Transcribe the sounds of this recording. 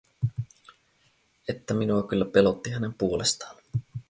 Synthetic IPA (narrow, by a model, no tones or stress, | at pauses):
et̪ːæminuɑkylːæpe̞lo̞t̪ːiɦæne̞mpuo̞lest̪ɑ̥ːn